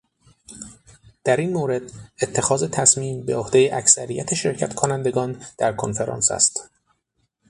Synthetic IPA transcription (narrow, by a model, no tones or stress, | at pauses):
d̪̥æɾiːnmoːɾe̞d̪̥et̪ʰːe̞xɒːze̞t̪ʰæsmiːmbe̞ohd̪e̞jeʔæcsæɾijæt̪ʰeʃe̞ɾcʰæt̪kʰonænd̪e̞ɡɒːnd̪̥æɾkʰonfe̞ɾɒ̰ːnsæ̰st̪